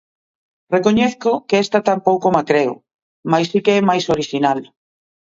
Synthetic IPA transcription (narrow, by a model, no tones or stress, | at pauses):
rekoɲɛθkokeɛst̪at̪ampowkomakɾeʊ̰ | majsːikeɛmajsoɾiʃinal